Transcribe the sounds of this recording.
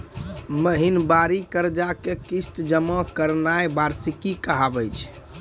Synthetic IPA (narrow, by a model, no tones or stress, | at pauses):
məɦinbaɾikəɾd͡ʒakekist̪d͡ʒəmɔkəɾnajbaɾsikikəɦabəjt͡ʃʰ